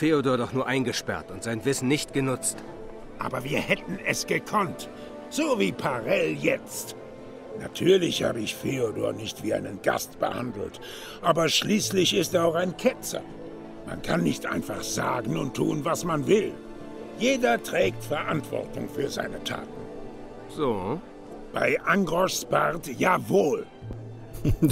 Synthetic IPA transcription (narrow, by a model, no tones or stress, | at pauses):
feːodoːɐdɔχnuːɐʔaɪnɡəʃpɛ̰ɐtʊntz̥aɪnvɪsn̩nɪçtɡ̥ənʊt͡st | ʔa̰ːbɐviːɐhɛtn̩ɛsɡ̥əkʰɔnt | z̥oːviːpʰaʁɛljɛt͡st | natʰyːɐlɪçha̰ːbəɪçfeodoːɐnɪçtv̥iːa̰ɪnənɡ̥a̰stb̥ə̰ha̰ndl̩t | ʔaːbɐʃliːslɪçɪstɛːɐaʊxaɪnkʰɛt͡sɐ̰ | ma̰nkʰanːɪçtʔa̰ɪnfaχz̥a̰ːɡŋ̩ʊntʰːṵːnvasmanvɪl | jeːdɐtʁ̥ɛːk̚tfɛɐʔantv̥ɔ̰ʁtʊ̰ŋfyːɐza̰ɪnətʰa̰ːtn̩ | z̥oː | b̥a̰ɪʔaŋɡʁɔʃspaʁtjaːvoːl